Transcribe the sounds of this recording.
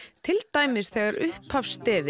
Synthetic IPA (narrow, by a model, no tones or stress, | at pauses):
t̪ʰɪlt̪ajmɪsθɛːɣaɾʏhpafst̪ɛːvɪ